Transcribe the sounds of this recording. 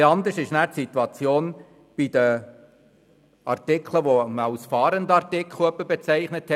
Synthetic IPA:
ɑnd̪əɾʃɪʃnæːɾtsit̪wɑt͡sjoːn | b̥id̥̪ə | ɑ̰rtɪkʰləʋoməɑlsfɑːɾəndəɑɾtɪkʰluəbəbɛt͡sæɪχnəthɛ

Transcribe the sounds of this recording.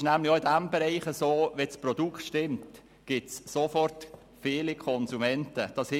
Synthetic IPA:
ʃnæmlɪoɪdæmbɛɾɛɪχəsoːʋɛsprɔd̥uktʃtɪmt | ɡ̥ɪtssofɔrt | feːlikʰɔnzumɛntəd̥ɑsh

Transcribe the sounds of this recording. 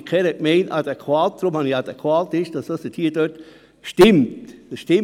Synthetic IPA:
kʰɛɾɛk̚meɪnʔɑd̪ekʰwaːt̚d̪̥ɾʊmhɑniɑd̪ekʰwaːtɪʃd̥ɑsd̥ɑsdətʰhiːd̥øt | ʃtɪmt̪əʃtɪ

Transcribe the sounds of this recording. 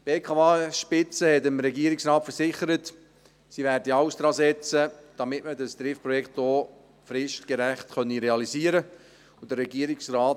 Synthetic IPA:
b̥eːkʰɑːɑʃpɪt͡səhɛtəmɾɛɡiəɾɪksɾɑːtfəɾsɪχəɾət | siːvæːrdiɑʊsd̥ɾɑːsɛt͡səd̥ɑmɪtmədəsd̥̪ɾɪfpɾɔjɛktdoː | fɾɪʃtkɛɾæχtχœniɾeɑlisiːəɾə | ʊdərɛɡiəɾɪksrɑː

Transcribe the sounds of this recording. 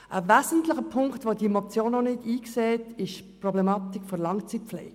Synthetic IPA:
ʔəvæzən̩tlɪχəpʰʊŋktʋodiemot͡sjoːnːɔnɪdiːkseːtɪʃprɔblɛmɑːt̪ikfɔɾlɑŋt͡sit̚flɛ̰ːɡ

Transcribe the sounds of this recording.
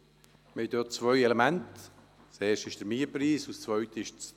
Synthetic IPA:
mid̥øːt̚t͡svœjɛlemɛnt | seːʃtɪʃd̥əɾmiːpɾiːsust͡svœɥtəɪʃt͡s

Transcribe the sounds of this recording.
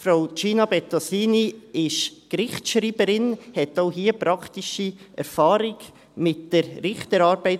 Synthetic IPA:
fɾaʊt͡ʃiːnɑbɛtosiːniɪʃkɾɪχt͡sʃɾiːbəɾɪnhɛtoʊɦiːəpɾɑktiʃiʔɛɾfɑːɾɪɡ | mɪtd̥əɾɾɪχtəɾɑːɾbɛɪt

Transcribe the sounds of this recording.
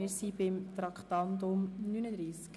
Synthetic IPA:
ɪɾsibɪmt̪ɾɑkχt̪ɑnd̪ʊmnynəd̪ɾiːsk

